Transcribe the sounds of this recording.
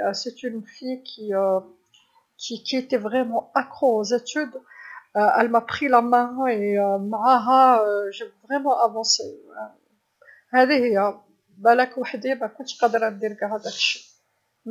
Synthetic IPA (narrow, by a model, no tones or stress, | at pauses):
sɛt̪ynfijkʰʲiø | kʰikʰiet̪ɛvʁɛmɑ̃akχoozet̪yd̪ | ɛlmapχilamɛ̃eømaʕaɦaøʒevʁɛmɑ̃ʔavɑ̃se | hæd̪ehija | bælakwaħd̪ebækɔ̃t̪qɑd̪əɾæmd̪iɾɡaɦad̪akʃi̥